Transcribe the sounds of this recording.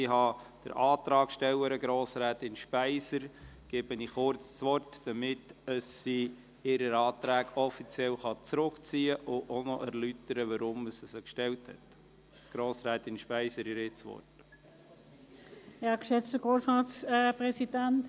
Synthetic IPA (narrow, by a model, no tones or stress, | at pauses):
ɪɦɑd̥əɾʔɑːt̪ɾɑːkʃtɛləɾəɡɾoːsɾæːtɪnʃpæɪsəɾɡ̥ɛb̥əniχʊrt͡st͡sʋɔrtd̥ɑmɪtdəsːi | ɪɾəɾɑːt̪ɾæːɡɔfit͡siɛlχɑt͡sɾʊkt͡siːəʔʊʔonɔʔæɾlytəɾəʋɑɾʊmːəsəsəkʃtɛlthɛ̰t̪ | ɡ̥ɾoːsɾæːt̪ɪnʃpæɪsəɾɪɾɪt͡sʋɔ̰rt | ɑkʃɛt͡sd̥əɡ̥ʁoːsʁɑːt͡sːpʁɛsidænt